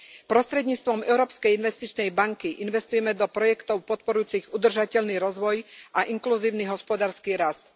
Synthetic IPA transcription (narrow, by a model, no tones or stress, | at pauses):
pɾɔst̪ɾɛd̪ɲiːt͡st̪ʋɔmɛʊɾɔːpskɛjinʋɛst̪it͡ʃnɛjbaŋkiʔinʋɛst̪ujɛmɛd̪ɔpɾɔjɛkt̪ɔʊpɔt̪̚pɔɾujuːt͡siɣud̪r̩ʒacɛʎniːɾɔzʋɔjʔaʔiŋkluziːʊniɦɔspɔd̪aːɾskiːɾast̪